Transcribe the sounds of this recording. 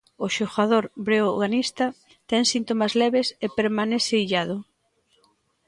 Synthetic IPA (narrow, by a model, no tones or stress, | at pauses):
ʊʃoɣað̞oɾbɾeoɣanist̪ɐ | t̪ɛŋsint̪omazlɛβesepeɾmanɛθeiʎaðʊ